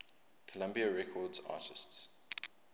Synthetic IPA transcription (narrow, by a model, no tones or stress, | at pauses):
kʰəlãmbiaɹɛkʰɔdza̰ːtɪsts